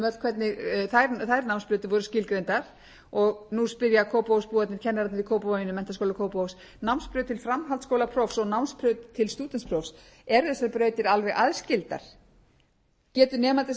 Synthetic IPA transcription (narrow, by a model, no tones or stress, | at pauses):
mœ̥kʰvɛt̪nɪθajɾθajɾnawnspɾœɥt̪ɪvɔɾʏscɪlkɾejnt̪aɾ̥ | ɔɣnuspɪɾjakʰoːwpowspuːat̪nɪɾcʰɛnːaɾat̪ðikʰoːwpavanɪnʏmɛn̥t̪askowlakʰoːwpows | nawnspɾʏt̪ʰɪlfɾamɦalt̪skowlapʰɾɔfsɔɣnawnspɾœt̪t̪ʰɪlst̪uːt̪ɛnpʰɾɔfs | ɛɾðɛsːaɾpɾœːɥt̪ɪɾalvɛɣʔa̰ðscɪlt̪a̰ɾ̥ | cɛːt̪ʏnɛːmant̪ɪs